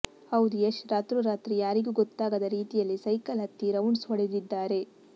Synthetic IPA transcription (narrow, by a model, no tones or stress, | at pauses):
ɐwd̪ujeʃɾaːt̪ɾuɾaːt̪ɾijaːɾiɡuːɡɔt̪ːaːɡɐd̪ɐɾiːt̪ijɐlːisɐjkɐlɦɐt̪ːiɾɐwnsɦɔɭed̪id̪ːaːɾe̞